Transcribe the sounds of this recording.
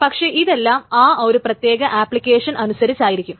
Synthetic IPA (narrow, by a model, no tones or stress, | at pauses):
pɐkʂe̞ːʔiðe̞lːaːmaːo̞ɾuprɐt̪je̞ːɣɐʔaːplikʲːe̞ːʂɐnʔɐnusɐɾit͡ɕːaːjiɾikʲːum